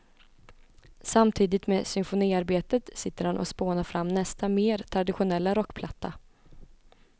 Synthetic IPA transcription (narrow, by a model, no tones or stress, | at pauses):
samt̪ʰiːd̪ɪt̪meːsʏnfʊniːaɾbeːt̪ət̪sɪt̪ːəɾhanʔɔ̰spoːnaɾfɾamːnɛst̪ameːɾt̪ʰɾad̪ɪɧʊnɛlːaɾɔkːpʰlat̪ʰːa